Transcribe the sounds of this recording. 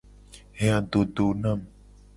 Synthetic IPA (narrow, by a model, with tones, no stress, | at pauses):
ɦe˦ã˨d̪o˨d̪o˨nã˦˨m